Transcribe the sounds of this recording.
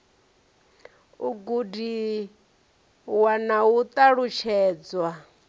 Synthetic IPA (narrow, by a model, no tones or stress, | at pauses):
uɡudi | wanawut̪ʼaɺut͡ʃʰɛːd͡zwa